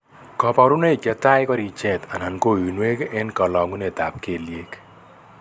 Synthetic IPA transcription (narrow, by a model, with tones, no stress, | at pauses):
kɔ˨pa˨ɾu˦ne˦i˨kɛ˨t̪a˦jkɔ˦ɾi˨t͡ʃɛ˦t̪a˨na˨nko˦˨i˨nwe˦kɛ˦nkɔ˨lɔ˨ŋu˦ne˨t̪a˨p̚ke˨lje˦k